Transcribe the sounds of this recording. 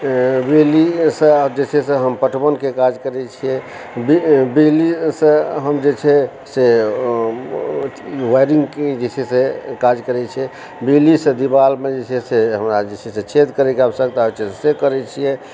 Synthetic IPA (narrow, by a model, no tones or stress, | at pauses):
bilisə̃d͡ʒet͡ʃʰɛsẽɦəmpəʈʰbənkekad͡ʒkəɾɛt͡ʃʰijɛ | bibilisə̃ɦəmd͡ʒet͡ʃʰɛ | se | ʋajɾĩŋɡked͡ʒet͡ʃʰɛsekad͡ʒkəɾɛt͡ʃʰɛ | bilisə̃d̪ibalmed͡ʒet͡ʃʰɛseɦəmɾad͡ʒet͡ʃʰɛsẽt͡ʃʰet̪kəɾɛkeabsəɡt̪ait͡ʃʰissekəɾɛt͡ʃʰijɛ